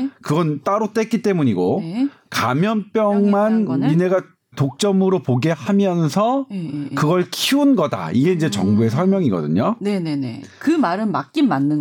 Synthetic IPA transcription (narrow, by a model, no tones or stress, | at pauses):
kɯɡʌnt͈aɾot͈ek͈it͈e̞muɲiɡo | kamjʌnp͈jʌŋmanine̞ɡa | tok̚t͡ɕ͈ʌmɯɾopoɡe̞hamjʌnsʰʌkɯɡʌɭkʰiunɡʌda̰iɡe̞ind͡ʑe̞t͡ɕʌŋbue̞sʰʌɭmjʌŋiɡʌ̰dɯ̰ɲonenenḛkɯmaɾɯmak̚k͈inmanːɯn